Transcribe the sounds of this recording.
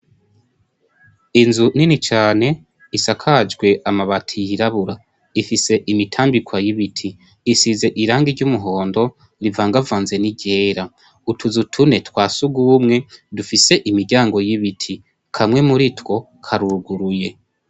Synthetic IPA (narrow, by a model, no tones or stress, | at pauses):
inzuninit͡ʃaːne̞ | isakʰad͡ʒɡwe̞ʔamaβatʰijiɾaβuɾa | ifise̞ʔimitʰaːmbikwajiβitʰiː | size̞ʔiɾaːŋɡiɾɟumuɦo̞ːndo̞ | ɾivaːŋɡavaːnze̞niɟe̞ːɾa | utuzutʰune̞twaːsuɡuːmŋe̞dufise̞ʔimiɾɟaːŋɡo̞jiβitʰi | kʰamwe̞muɾitwo̞ | kʰaɾuuɡuɾuje̞